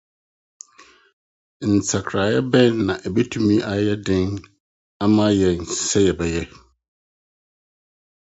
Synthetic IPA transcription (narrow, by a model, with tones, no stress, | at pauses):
n̩˨t͡sʰa˨kʰɾa˨jɛ˦bɛ̃˦nːã˨ʔɛ˨be˦tʰũ˦mĩ˦ʔa˨jɛ˦dɪ̃˦n | a˦mã˦jɛ˨n˨sɛ˦jɛ˨bɛ˨jɛ˦